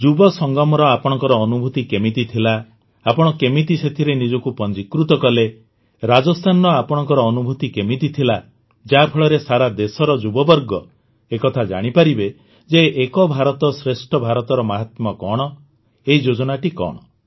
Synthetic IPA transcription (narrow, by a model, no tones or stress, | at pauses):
d͡ʒubɔsɔŋɡɔmɔɾɔapɔɽ̃ɔŋkɔɾɔːnubʱut̪ikemit̪it̪ʰilaː | pɔɽ̃ɔkemit̪iset̪ʰiɾenid͡ʒɔkupɔnd͡ʒikɾut̪ɔkɔle | ɾad͡ʒɔst̪ʰanɔɔapɔɽ̃ɔ̃ŋkɔɾɔːnubʱut̪ikemit̪it̪ʰila | d͡ʒapʰɔɭɔɾesaɾad̪esɔɾɔd͡ʒubɔbɔɾɡɔ | ekɔt̪ʰad͡ʒa̰ɽ̃ipaɾibe | d͡ʒeːkɔbʱaɾɔt̪ɔsɾesʈʰɔbʱaɾɔt̪ɔɾɔmaɦat̪mɔkɔɽ̃ɔ | eɦid͡ʒod͡ʒɔnaʈikɔ̰ɽ̃ɔ